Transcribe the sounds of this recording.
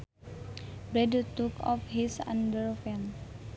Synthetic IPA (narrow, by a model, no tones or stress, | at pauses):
bɾɛdut̪ukɔ̰fhisã̰ndəɹfɛn